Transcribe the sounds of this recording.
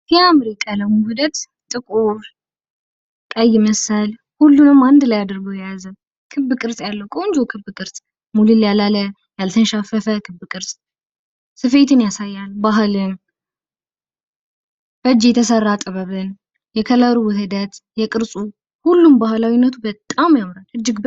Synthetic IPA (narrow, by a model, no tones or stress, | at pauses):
jɛamɾikʼːaləwmuhɨd̪ət̪ | t̪ʼɨkʼuɾ | t̪ʼəjːɪməsəl | hulːunɨmːand̪lajad̪əɾɡowjɛjazəm | kʰɨbːɨkʼɨɾsʼjalːəwkʼəwnd͡ʒowkʰɨbːɨkʼɨɾsʼ | mulɨljalalə | jalt̪ʰənʃafəfəkʰɨbːɨkʼɨɾsʼ | sɨfe̞t̪ɨnjasajːalbaɦɨlɨn | fəd͡ʒjɛt̪ʰəsərːat̪ʼɨβəβɨn | jɛkʰələɾuwɨhɨd̪ət̪jɛkʼɨɾsʼu | hulːumbahlawinːət̪ʰubət̪ʼamjamɾalhɨd͡ʒːɪɡb